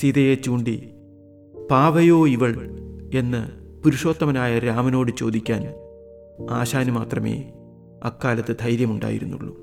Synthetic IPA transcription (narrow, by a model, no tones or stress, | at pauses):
siðɐjet͡ɕuːɳɖi | paːʋɐjo̞ːiʋɐɭe̞nːɨ̰puɾuʂo̞ːt̪ːɐmɐnaːjɐɾaːmɐno̞ːɽɨt͡ɕo̞ːd̪ikʲːaːn | aːɕaːnɨmaːt̪rɐmḛː | ɐ̰kːaːlɐt̪ːɨd̪ʱɐjɾjɐmuɳɖa̰ːjḭɾunːṵɭːu